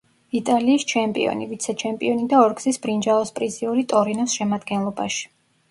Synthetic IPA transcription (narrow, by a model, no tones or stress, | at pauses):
it̪ʼaliːst͡ʃʰɛmpʼḭɔ̰nivit̪sʰɛt͡ʃʰɛmpʼḭɔnid̪aɔɾɡzisbɾind͡ʒalˠɔspʼɾiziuɾit̪ʼɔɾinɔsʃɛmad̪ɡɛnlˠɔba̰ʃi̥